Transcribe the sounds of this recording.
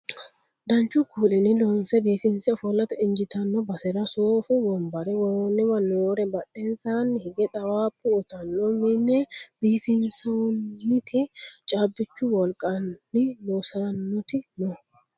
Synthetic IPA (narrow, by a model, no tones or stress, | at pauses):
d̪ɐɲt͡ʃʊkuːlɛnɪloːnsɛbiːfɪnsɛɔfɔlːɐt̪ɐɪɲd͡ʒɪt̪ɐnːɔbɐsɛɾɐsoːfʊwɔmbɐɾɛwɔnːɪwɐnːoːɾɛbɐᶑensanhɪɡɛᶑɐwaːpʼːʊːt̪ɐnːɔmɪnɛbiːfɪnsɐnɪt̪ɪt͡ʃʼaːbːɪt͡ʃːʊwɔlkʼɐɪloːsɐnːɔt̪ɪnɔ